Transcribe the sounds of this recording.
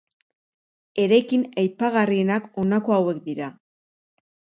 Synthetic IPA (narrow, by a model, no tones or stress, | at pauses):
e̞ɾekinajpaɣarie̞nako̞nako̞awe̞kd̪iɾa